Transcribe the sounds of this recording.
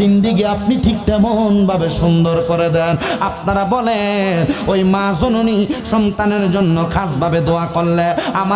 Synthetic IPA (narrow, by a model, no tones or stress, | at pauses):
ind̪ikeap̚niʈʰik̚t̪ɛmonbʱabeʃund̪oɾkoɾed̪ɛnap̚naɾabɔlenojmãsononiʃɔnt̪aneɾd͡ʑonːokʰasbʱabed̪oakɔlːeama